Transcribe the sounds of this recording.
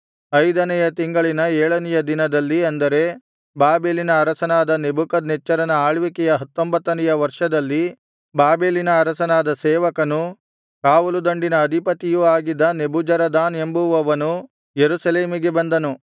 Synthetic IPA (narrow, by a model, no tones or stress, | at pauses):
ɐjd̪ɐnɛjɐt̪iŋɡɐɭinɐɛːɭɐnɛjɐd̪inɐd̪ɐlːiɐnd̪ɐɾe̞ | baːbeːlinɐːɾɐsɐnaːd̪ɐnebukɐd̪nɛt͡ʃːɐɾɐnɐaːɭʋikɛjɐɦɐt̪ːombɐt̪ːɐnɛjɐʋɐɾʂɐd̪ɐlːi | baːbeːlinɐːɾɐsɐnaːd̪ɐsɛːʋɐkɐnu | kaːʋɐlud̪ɐɳɖinɐːd̪ʱipɐt̪ijuaːɡid̪ːɐnebud͡ʒɐɾɐd̪aːne̞mbuʋɐʋɐnu | jeɾusɐleːmiɡe̞bɐnd̪ɐnu